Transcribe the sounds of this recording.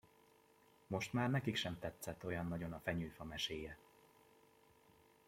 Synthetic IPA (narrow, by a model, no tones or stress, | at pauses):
mo̞ʃt̪maːrnɛkikʃɛmt̪ɛt̪sɛt̪ːo̞jɒnːɒɟo̞nɒfɛɲyːfɒmɛʃeːjɛ